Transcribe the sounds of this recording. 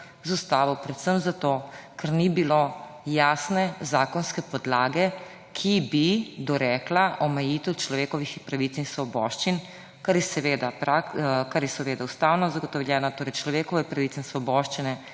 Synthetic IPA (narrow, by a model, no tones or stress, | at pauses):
zust̪aːʋɔwpɾɛt̪səmzat̪oːkaɾnibilo | jaːsnɛzaːkɔnskɛpɔd̪laːɡɛ | kʰibid̪ɔɾɛːklaʔɔmɛjit̪ɛwt͡ʃlɔʋeːkɔʋixpɾaʋit̪sinsʋɔbɔːʃt͡ʃin | kaɾjɛsɛʋeːd̪apɾakaɾjɛsɛʋeːd̪aust̪aːwnɔzaɡɔt̪ɔwljɛːnat̪oːɾɛjt͡ʃlɔʋeːkɔʋɛpɾaʋit̪sɛinsʋɔbɔːʃt͡ʃinɛ